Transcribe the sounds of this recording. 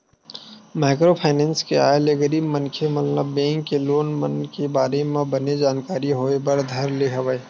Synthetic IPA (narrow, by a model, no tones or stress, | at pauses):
maːɪkɾopʰaːnɛ̃ːnskea̰ːeleɡəɾiːbmənkʰemət̪ləbːɛ̃ːŋkːeloːnmənkebaːɾemẽbəned͡ʒaːnkaːɾiɦoːebəɾd̪ʱɐɾleɦɐʋəe